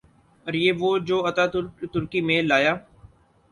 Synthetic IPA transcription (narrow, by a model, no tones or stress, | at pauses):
əɾjeːʋoːd͡ʒoːɐt̪aːt̪ʊɾkimẽlaːjaː